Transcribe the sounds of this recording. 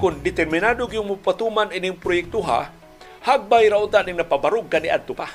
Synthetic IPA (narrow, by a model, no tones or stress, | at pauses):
kʊnd̪ɪt̪ɛɾmɪnad̪oɡiʊŋmʊpat̪umaninɪŋpɾʊjɛk̚t̪uɦa̰ | haɡ̚bajɾaʔʊt̪aʔnɪŋnapabaɾʊɡ̚kːaniʔa̰d̪̚t̪ʊpa